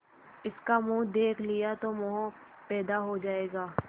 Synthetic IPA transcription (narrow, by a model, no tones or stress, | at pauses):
ɪskamũːd̪eːkʰlijat̪omʊɦũ | pɛːd̪aɦod͡ʒaːeːɡaː